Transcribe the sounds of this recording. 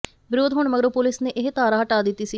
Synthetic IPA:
bɪɾoːd̪ɦoɳməɡɾoːpolɪsneːʔɪɦt̪aːɾaːɦəʈaːd̪ɪt̪ːiːsiː

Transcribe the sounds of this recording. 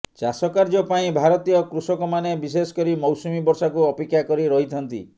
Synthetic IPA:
t͡ʃasɔkaɾd͡ʒɔpaĩbʱaɾɔt̪ijɔkɾusɔkɔmanebis̬esɔ̥kɔɾimɔwsumibɔɾsakuɔpekjakɔɾiɾɔɦit̪ʰɔnt̪ḭ

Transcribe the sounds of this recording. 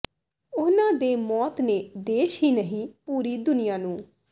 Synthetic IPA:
ʊnãːd̪eːmɔːt̪neːd̪eːʃɦiːnəɦĩːpuːɾiːd̪ʊnɪjãːnũː

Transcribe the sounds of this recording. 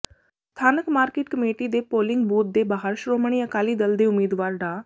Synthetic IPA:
st̪ʰaːnəkmaːɾkeːʈkəmeːʈiːd̪eːpoːlɪ̃ŋɡbuːt̪̚d̪eːbaːɦəɾʃɾoːmɳ̃iːəkaːliːd̪əld̪eːʊmiːd̪ʋaːɾɖaː

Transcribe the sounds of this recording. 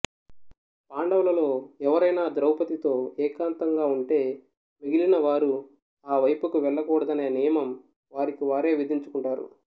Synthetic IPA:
paːɳɖɐwlɐlo̞ːɛʋɐɾɐjnaːd̪ɾɐwpɐt̪it̪o̞ːɛːkaːnt̪ɐŋɡaːuɳʈe̞ː | miɡilinɐʋaːɾu | aːʋɐjpukuʋɛɭːɐkuːɽɐd̪ɐneːnijɐmɐm | ʋaːɾikiʋaːɾe̞ːʋid̪ʱiɲt͡ʃu̥kuɳʈaːɾṵ

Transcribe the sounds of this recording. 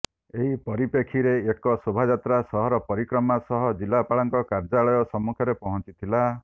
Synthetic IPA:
eɦipɔɾipekʰiɾeekɔsobʱad͡ʒat̪ɾasɔɦɔɾɔpɔɾikɾɔmasɔɦɔd͡ʒilːapaɭɔŋkɔkaɾd͡ʒaɭɔjɔsɔmːukʰjɔɾepɔɦɔ̃nt͡ʃit̪ʰila

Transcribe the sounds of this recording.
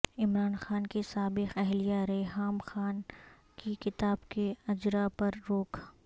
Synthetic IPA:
ɪmɾaːnxaːnkesaːbɪqɛɦlijaɾeːɦaːmxaːn | kikɪt̪aːbkeɐd͡ʒɾapɐɾːoːkʰ

